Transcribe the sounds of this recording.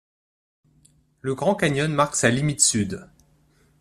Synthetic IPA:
ləɡʁɑ̃kaɲɔnmaʁksalimit̪syd̪

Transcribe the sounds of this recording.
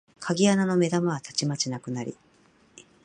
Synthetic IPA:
kʰaɡʲianano̞me̞d̪amaβat̪at͡ɕimat͡ɕinakɯ̟naɾʲḭ

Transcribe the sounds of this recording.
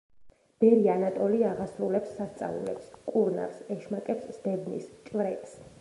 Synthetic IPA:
b̥ɛɾianat̪ʼɔliaʁasɾulɛpsːast̪sʼa̰lṵlɛ̰pskʼuɾna̰ɾsɛʃmakʼɛpsd̪̥ɛbnḭst͡ʃʼvɾɛt̪s

